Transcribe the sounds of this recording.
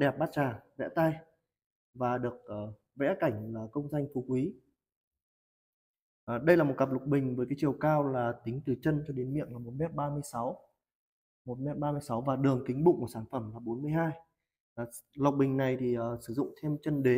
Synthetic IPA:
ɗɛ˨˩p̚ɓaː˦˥t̚t͡ɕaː˨˩zɛ̰˧˥t̪a˧j | vaː˨˩ɗɨ˨˩ək̚ʔəː˨˩ | vɛ̰˧˥ka˧˩jŋ̟laː˨˩kə˧wŋ͡mza˧jŋ̟fu˨˦kwi˨˦ | ʔɗə˧jlaː˨˩mo˨˩t̚ka˨˩p̚lʊ˨˩k͡p̚ɓï˨˩ŋ̟vəː˨˦jka˨˦jt͡ɕi˨˩əwkaː˧wlaː˨˩t̪ï˨˦ŋ̟t̪ɨ˨˩t͡ɕə˧nt͡ɕɔ˧ɗe˨˦nmḭ˧˨əŋlaː˨˩mo˨˩t̚mɛ˦˥p̚ɓaː˧mɨ˧əjsa˨˦w | mo˨˩t̚mɛ˦˥p̚ɓaː˧mɨ˧əjsa˨˦wvaː˨˩ɗɨ˨˩əŋt̪ï˨˦ŋ̟ɓʊ̰˧˨ŋku˧˩saː˧˩nfə˧˩mlaː˨˩ɓo˨˦nmɨ˧əjhaː˧j | la˨˩wk͡p̚ɓï˨˩ŋ̟na˨˩jt̪ʰi˨˩ʔəː˨˩sɨ˧˩zʊ̰˧˨ŋ͡mt̪ʰe˧mt͡ɕə˧nɗe˨˦

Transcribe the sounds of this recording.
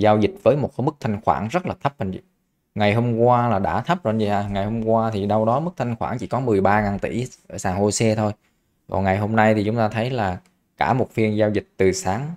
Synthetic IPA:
zaː˧wzï˨˩t̟̚vəː˨˦jmo˨˩t̚mɨ˦˥k̚t̪ʰa˧jŋ̟xwa̰ː˧˩nzə˦˥t̚laː˨˩t̪ʰə˦˥p̚mə̰˨˩nḭ˧˩ | ŋa˨˩jɦo˧mkwaː˧laː˨˩ɗa̰ː˧˥˩t̪ʰə˦˥p̚zo̰˧˨˩nzi˨˧˩a˧˩ŋa˨˩jho˧mkwaː˧t̪ʰi˨˩ɗa˧wɗɔ˨˦mɨ˦˥k̚t̪ʰa˧jŋ̟xwa̰ː˧˩nt͡ɕi˧˩kɔ˨˦mɨ˨˩əjɓaː˧ŋaː˨˩nt̪ḭ˧˩ʔəː˧˩saː˨˩ŋho˧jsɛ˧t̪ʰo˧j | kɔ̰˨˩nŋa˨˩jɦo˧mna˧jt̪ʰi˨˩t͡ɕʊ˨˦ŋ͡mt̪aː˧t̪ʰə˨˦jlaː˨˩ | kaː˧˩mo˨˩t̚fi˧ənzaː˧wzï˨˩k̟̚t̪ɨ˨˩saː˨˦ŋ

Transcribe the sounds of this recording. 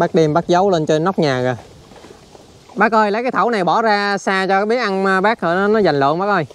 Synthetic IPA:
ɓaː˦˥k̚ɗi˧əmɓaː˦˥k̚zə˨˦wle˧nt͡ɕe˧nːa˦˥k͡p̚ɲaː˨˩ɣa˨˩ | ɓaː˦˥k̚ʔəː˧jləː˧˦jkaː˨˦jt̪ʰə˧˩wna˨˩jɓɔ˧˩zaː˧saː˧t͡ɕɔ˧aː˨˦ɓi˦˥ək̚ʔa˧nː˧ɓaː˦˥k̚ə˧˩nɔ˨˦nɔ˨˦za˨˩jŋ̟lə̰˧˨ŋɓaː˦˥k̚ʔəː˧j

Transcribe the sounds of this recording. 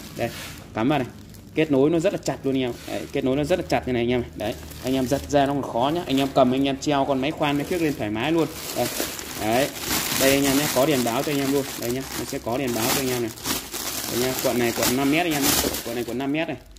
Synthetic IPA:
ɗə˨˧˩j | kaː˨˦mʔə̰˧˨n̚a˨˩j | ke˦˥t̚no˨˦jnɔ˨˦zə˦˥t̚laː˨˩t͡ɕa˨˩t̚lu˧n˧ɲ˧aː˧˨ɗə̰˧˩jke˦˥t̚no˨˦jnɔ˨˦zə˦t̚laː˨˩t͡ɕa˨˩t̚ɲa˧˨˩ŋɲː˧ma˨˩ɗə˨˩j | ʔa˧jŋʔaː˧mzə˨˩t̚zaː˧nɔ˨˦kɔ˨˩xɔ˨˦ɲaː˧˦ʔa˧jŋ̟ʔaː˧mkə˨˩mʔa˧ŋ̟ʔaː˧mt͡ɕi˧wkɔ˨˧nma˨˦jxwaː˧nma˨˦xi˦˥ək̚le˧nt̪ʰwaː˧˩jmaː˨˦jlu˧ən | ɗə˧˩jɗə˨˧˦jɗə˧jʔa˧jŋɲaː˧mɲaː˧˦kɔ˨˦ɗi˨˩ənɓaː˨˦wt͡ɕɔ˧jŋʔaː˧mlu˧ənɗə˧˩jɲaː˧nɔ̰˨˧˩sɛ̰˧˥kɔ˨˦ɗi˨˩ənɓaː˨˦wt͡ɕɔ˧jŋɲaː˧mna˨˩jɗə̰˧jɲaː˧kwə̰˧˨nːa˨˩jkwə˧˨nːa˧mːɛ˦˥t̚ʔŋɲaː˧mɲaː˧˩kwə̰˧˨nː˨˩jkwə˧˨nːa˧mː˦˥t̚na˨˩j

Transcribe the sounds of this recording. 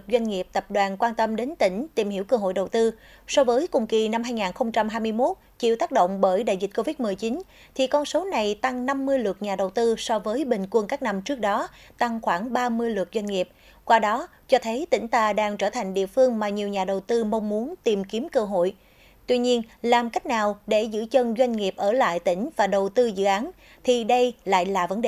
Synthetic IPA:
t̚zwa˧jŋ̟ŋi˨˩əp̚t̪ə˨˩p̚ɗwaː˨˩nkwaː˧nt̪ə˧mɗe˨˦nt̪ï˧˩ŋ̟t̪i˨˩mɦi˧˩əwkəː˧ɦo̰˧˨jɗə˨˩wt̪ɨ˧ | sɔ˧vəː˨˦jkʊ˨˩ŋ͡mki˨˩na˧mɦaː˧jŋaː˨˩nxə˧wŋ͡mt͡ɕa˧mɦaː˧jmɨ˧əjmo˦˥t̚t͡ɕḭ˧˨wt̪aː˦˥k̚ɗo̰˧˨wŋ͡mɓəː˧˩jɗa̰ː˧˨jzï˨˩t̟̚ko˧vi˦˥t̚mɨ˨˩əjt͡ɕi˨˦n | t̪ʰi˨˩kɔ˧nso˨˦na˨˩jt̪a˧ŋna˧mːɨ˧əjlwə˨˩t̚ɲaː˨˩ɗə˨˩wt̪ɨ˧sɔ˧vəː˨˦jɓï˨˩ŋ̟kwə˧nkaː˦˥k̚na˧mt͡ɕɨ˦˥ək̚ɗɔ˨˦t̪a˧ŋxwaː˧˩ŋɓaː˧mɨ˧əjlwə˨˩t̚zwa˧jŋ̟ŋi˨˩əp̚ | kwaː˧ɗɔ˨˦ | t͡ɕɔ˧t̪ʰə˨˦jt̪ï˧˩ŋ̟t̪aː˧ɗaː˧ŋt͡ɕəː˧˩t̪ʰa˨˩jŋ̟ɗḭ˧˨əfɨ˧əŋmaː˨˩ɲi˨˩əwɲaː˨˩ɗə˨˩wt̪ɨ˧ma˧wŋ͡mːu˨˦ənt̪i˨˩mki˨˦əmkəː˧ɦo̰˧˨j | t̪wi˧ɲi˧ənlaː˨˩mka˦˥jk̟̚naː˨˩wɗe˧˩zɨ̰˧˥t͡ɕə˧nzwa˧jŋ̟ŋi˨˩əp̚ʔəː˧˩la̰ː˧˨jt̪ï˧˩ŋ̟vaː˨˩ɗə˨˩wt̪ɨ˧zɨ̰˧˨ʔaː˨˦n | t̪ʰi˨˩ɗə˧jla̰ː˧˨jlaː˨˩və˨˦nɗe˨

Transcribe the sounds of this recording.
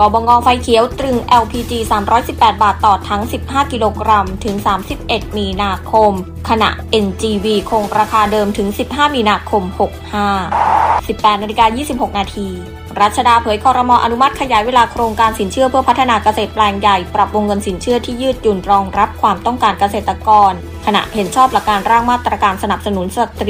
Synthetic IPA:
kɔː˨˩bɔː˧ŋɔː˧fa˧jkʰi˩˦əwt̪ɾɯ˧ŋʔɛ˧wpʰiː˧t͡ɕiː˧saː˩˦mɾɔː˦˥jsi˨˩pːɛː˨˩t̪̚baː˨˩t̪ːɔː˨˩t̪ʰːa˦˥ŋsi˨˩p̚haː˥˩ki˧loː˧kɾa˧mt̪ʰɯ˩˦ŋsaː˩˦msi˨˩p̚ʔe˨˩t̪̚miː˧naː˧kʰo˧m | kʰa˧na̰˨˩ʔʔe˧nt͡ɕiː˧wiː˧kʰoː˧ŋɾaː˧kʰaː˧dɤː˧mt̪ʰɯ˩˦ŋsi˨˩p̚ɦaː˥˩miː˧naː˧kʰo˧mho˨˩k̚haː˥˩si˨˩pːɛː˨˩t̪̚na˧li˧kaː˧jiː˥˩si˨˩p̚ho˨˩k̚naː˧t̪ʰiː˧ | ɾa˦˥˩t̪̚t͡ɕʰa˧daː˧pʰɤː˩˦jkʰɔː˧ɾa˧mɔː˧ʔa˧nu˦˥ma˦˥t̪̚kʰa˧jaː˩˦jweː˧laː˧kʰɾoː˧ŋkaː˧nsi˩˦nt͡ɕʰɯ˥˩pʰɯ˥˩pʰa˦˥t̪ʰːa˧naː˧ka˧seː˨˩t̪̚plɛː˧ŋja˨˩jpɾa˨˩p̚wo˧ŋːɤ˧nsi˩˦nt͡ɕʰɯ˥˩ɐt̪ʰiː˥˩jɯː˥˩t̪̚ju˨˩nɾɔː˧ŋɾa˦˥p̚kʰwaː˧mt̪ɔ˥˩ŋkaː˧nka˧seː˨˩t̪ːa˧kɔː˧n | kʰa˧na̰˨˩ʔhe˩˦nt͡ɕʰɔː˥˩pla˨˩kːaː˧nɾaː˥˩ŋmaː˥˩t̪ɾa˧kaː˧nsa˧na˨˩p̚sa˧nu˩˦nsa˧t̪ɾ

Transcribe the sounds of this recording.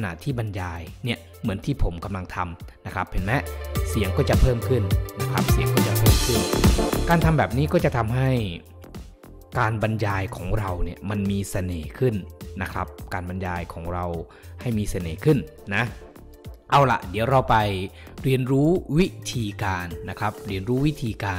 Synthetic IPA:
na̰˨˩t̪ʰiː˥˩ba˧njaː˧jni˥˩ə | mɯ˩˦ənt̪ʰiː˥˩pʰo˩˦mka˧mla˧ŋt̪ʰa˧mna˦˥kʰɾa˦˥phe˨˩˦nmɛ˦˥ʔsi˩˦əŋkɔː˥˩t͡ɕa˨˩pʰɤː˥˩mkʰɯ˥˩nna˦˥kʰɾa˦˥p̚si˨˩˦əŋkɔː˥˩t͡ɕa˨pʰɤː˥˩mkʰɯ˥˩nkaː˧nt̪ʰa˧mbɛː˨˩p̚niː˦˥kɔː˥˩t͡ɕa˨˩t̪ʰa˧mɦa˥˩j | kaː˧nba˧njaː˧jkʰɔː˩˦ŋɾa˧wni˥˩əma˧nmiː˧sa˧neː˨˩˦kʰɯ˥˩nːa˦˥kʰɾa̰˦˥p̚kaː˧nba˧njaː˧jkʰɔː˩˦ŋɾa˧w | ha˥˩jmiː˧sa˧neː˨˩˦kʰɯ˥˩nːa˦˥ | ʔa˧wla̰˨˩ʔdi˩˦əwɾa˧wpa˧jɾi˧ənɾuː˦˥wi˦˥t̪ʰiː˧kaː˧nːa˦˥kʰɾa˦˥p̚ɾi˧ənɾuː˦˥wi˦˥t̪ʰiː˧kaː˧

